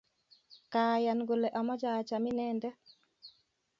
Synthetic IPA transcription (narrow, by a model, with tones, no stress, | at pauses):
kaja˨nɡo˨le˨ʔa˨mɔ˦d͡ʒa˨t͡ʃa˨mɪ˦nɛ˦ndɛ˦